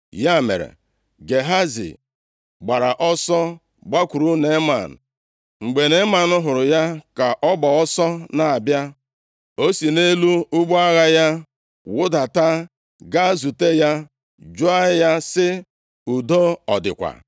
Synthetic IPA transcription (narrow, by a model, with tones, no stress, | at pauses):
ja˦˨mḛ˨ɾḛ˨ | ɡe˨ɦa˦zḭ˨ | ɡ͡ba˨ɾa˨ʔɔ˦sɔ˦ | ɡ͡ba˦kʷu˨ɾu˦ne˦ma̰˨n̩̰˨ | ŋ͡m̩˨ɡ͡be˨ne˦ma˨nʊ˦ɦʊ˨ɾʊ˨ja˦ka˨ʔɔ˦bɔ˨ɔ˦sɔ˦na˨a˨bja˦ | o˦si˨ne˦lu˦ʊ˦ɡ͡ba˦ɣa˦ja˦ | wʊ˦da˨ta˦ | ɡa˦zu˨te˦ja˦ | d͡ʒʊ˦a˦ja˦sɪ˦ | u˨do˦ɔ˨dɪ̰˨kʷa̰˨